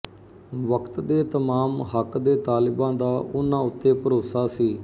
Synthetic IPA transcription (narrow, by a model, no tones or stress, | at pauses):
ʋəkt̪d̪eːt̪əmaːmɦəkd̪eːt̪aːlɪbãːd̪aːʔʊnãːʊt̪ːeːpəɾoːsaːsiː